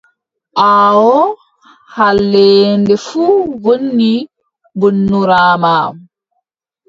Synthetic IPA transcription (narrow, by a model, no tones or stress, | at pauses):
ʔawɔ | halːɛːndɛfuːwonːi | bonːuɾaːmaːm